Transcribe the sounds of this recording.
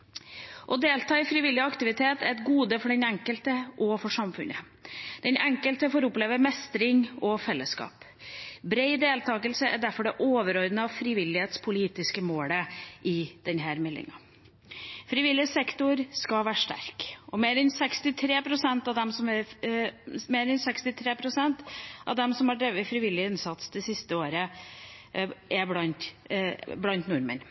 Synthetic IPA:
ʔɔd̪eːlt̪ʰɑːɪfɾɪʋɪlɪəɑkt̪ɪʋɪt̪ʰeːt̪æɛt̪ɡuːd̪əfɔɖɛnɛŋkəlt̪əʔɔfɔʂɑmfʉ̰nə | d̪̥ɛnɛŋkəlt̪əfɔːɾʊpleːʋəɾmɛst̪ɾɪŋɔfɛlːəskɑ̰ːp | bɾeɪd̪eːlt̪ʰɑːɡəlsəʔæ̰ɖ̪æɾfɔɖɛʔoːʋəɾɔɾd̪nəɑʋfɾɪʋɪlːɪheːt̪spʰʊliːt̪ɪskəmoːləʔɪd̪̥ɛnɦæːɾmɛlːɪ̰ŋɑ | fɾɪʋɪlɪhɛsɛkt̪ʊɾskɑʋæːʂʈæ̰ɾkɔmeːɾɛnsɛkst̪ɪt̪ʰɾeːpʰɾʊsɛnt̪ɑʋd̪ɛmsɔmɛɾ | meːɾɛnsɛkst̪ɪt̪ʰɾeːpʰɾʊsɛnt̪ʔɑ̰ʋd̪ɛmsɔmhɑɖɾeʋəfɾɪʋɪlːɪəɪnsɑt̪sd̪ɛsɪst̪əoːɾə | ʔɛblɑnt̪ | blɑnt̪nʊɾmə̰n

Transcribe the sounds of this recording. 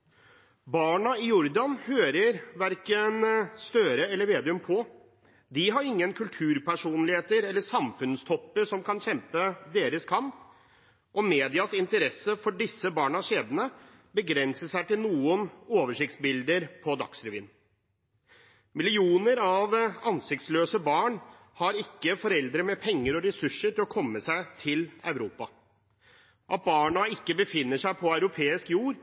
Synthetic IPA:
bɑːɳɑɪjʊɾd̪ɑnhøːɾəɾʋæɾkənst̪øːɾəɛlːəɾmeːd̪ɪʉmpʰɔ | d̪ɪɦɑɾɪŋːənkʰʉlt̪ʰʉːɾpæʂuːnlɪheːt̪əɾɛlːəʂɑmfʉnst̪ʰɔpːəʂɔmkʰɑnɕɛmpəd̪eːɾəskʰɑmp | ʔɔmeːd̪ɪɑsɪnt̪əɾɛsəfɔɖɪsːəbɑːɳɑɕeːd̪ənə | bəɡɾɛnsəʂæɪt̪ɪlnuːənoːʋəʂɪk̚t̪sbɪld̪əɾpʰɔd̪ɑ̰ksɾʉʋḭːn | mɪlɪuːnəɾɑʋɑnsɪk̚t̪sløːsəbɑːɳ | hɑɾɪkːəfɔɾɛld̪ɾəmɛpʰɛŋːəɾɔɾɛsʉʂəʈɪlɔkʰɔmːəsæɪt̪ʰɪlɑ̰ʉɾuːpɑ | ʔɑt̪̚bɑːɳɑɪkːəbəfɪnːəʂæɪpʰɔɑʉɾʊpʰeːɪskjuːɾ

